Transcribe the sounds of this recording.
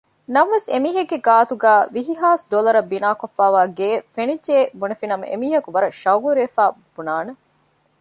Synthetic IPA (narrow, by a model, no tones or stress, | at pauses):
nɐmʋesemiːɦɐɡːeɡaːt̪uɡæːʋiɦiɦaːsɖolɐɾɐbːinaːkofːaːʋaːɡeːfenid͡ʒeːbunɐfinɐmɐ̰ʔḛmiːɦɐkuʋɐɾɐʃɐwɡuɾeːfaː | b̥unaːne